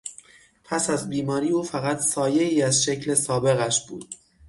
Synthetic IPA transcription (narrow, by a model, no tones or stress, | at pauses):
pʰæsæzbiːmɒːɾiːuːfæɣæt̪ʰsɒːje̞iːæzʃe̞cʰlesɒːbe̞ɣæʃb̥uːd̪̥̚